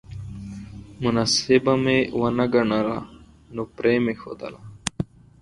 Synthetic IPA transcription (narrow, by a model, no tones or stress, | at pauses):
munasebɐmewɐnɐɡɐɳaɾa̰ | nopɾeːmexo̰ːd̪ɐ̰la